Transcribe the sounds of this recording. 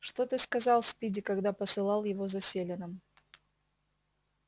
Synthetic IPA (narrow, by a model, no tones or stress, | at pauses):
ʂt̪ot̪ɨskɐzɑlˠspʲidʲɪkɐɡd̪apəsɨlˠɑlˠjɪvozɐsʲelʲɪnəm